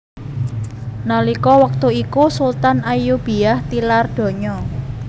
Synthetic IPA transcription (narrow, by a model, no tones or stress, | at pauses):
nalikɔwək̚t̪uikusult̪anʔajub̥i̤aht̪ilard̪̥o̤ɲɔ